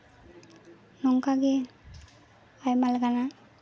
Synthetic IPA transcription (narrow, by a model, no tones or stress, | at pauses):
nɔŋkaɡe | ajmalɡana